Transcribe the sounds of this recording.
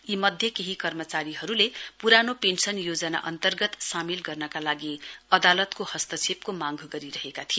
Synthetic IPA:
imʌd̪ʱjʌkeɦikʌrmʌt͡saɾiɦʌɾulepuɾanopensʌnjod͡zʌna̰ʔʌnt̪ʌrɡʌt̪samilɡʌrnʌkalaɡiʌd̪alʌt̪kohʌst̪ʌt͡sʰep̚komaŋɡʱɡʌɾiɾʌɦekat̪ʰio

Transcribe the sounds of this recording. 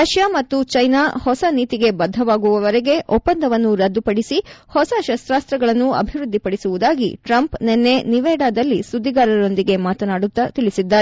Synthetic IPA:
ɾɐʃjamɐt̪ːut͡ʃɐjnaːhɔsɐniːt̪iɡe̞bɐd̪ʱːɐʋaːɡuʋɐʋɐɾɛɡe̞ʔɔpːɐnd̪ʱɐʋɐnːuɾɐd̪ːupɐɽisihɔsɐʃɐst̪ɾaːst̪ɾɐɡɐɭɐnːuɐ̰bʱiʋɾud̪ːipɐɽisuʋud̪aːɡḭʈɾɐmpnenːe̞niʋɛːɽaːd̪ɐlːisud̪ʱːiɡaːɾɐɾo̞nd̪iɡe̞maːt̪ɐnaːɽut̪ːɐt̪iɭisid̪ːaːɾe

